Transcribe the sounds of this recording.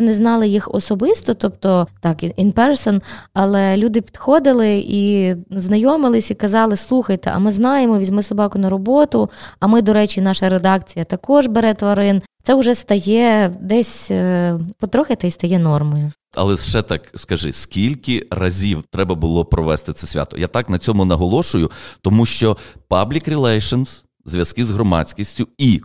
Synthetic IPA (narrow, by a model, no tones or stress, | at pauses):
nɛznɑlˠɪjixɔ̰sɔbɪst̪ɔt̪ɔpt̪ɔt̪ɑkʔinpɛɾsɔnɐlˠɛlʲud̪ɪpʲi̥d̪̥xɔd̪ɪlˠɪiznɐjɔmɪlˠɪsʲikɐzɑlˠɪslˠuxɐjt̪ɛ̰ʔɐ̰mɪznɑjemɔʋʲizʲmɪsɔbɑkʊnɐɾɔbɔt̪ʊɐmɪd̪ɔɾɛt͡ʃʲinɑʃɐɾed̪ɑkt͡sʲijɐt̪ɐkɔʒbeɾɛt̪ʋɐɾɪnt̪sɛʊʒɛst̪ɐjɛd̪ɛsʲ | pɔt̪ɾɔxɪt̪ɛjst̪ɐjɛnɔrmɔjʊ | ɐ̰lˠɛt͡ʃɛt̪ɑkskɐʒɪ̰sʲkʲilʲkʲɪrɐzʲiwt̪ɾɛbɐbʊlˠɔpɾɔʋɛst̪ɪt̪sɛsʲʋʲa̰t̪ɔ̥̰jat̪ɑknɐt͡sʲɔmʊnɐɦɔlˠɔʃʊjʊt̪ɔmuʃt͡ʃɔpablʲikɾʲɪlˠɛjʃɐns | zʲʋʲjɐskɪzɦɾɔmɑ̰t͡sʲkʲisʲtʲʊi